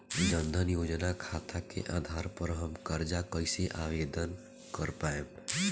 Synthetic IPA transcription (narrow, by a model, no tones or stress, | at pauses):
d͡ʒə̃nd̪ʱənjoːd͡ʒnakʰaːt̪ʰakḛʔaːd̪ʱaːɾpɐɾɦɐmkɐɾd͡ʒakəɪseʔaːʋeːd̪ən | kəɾpaːẽ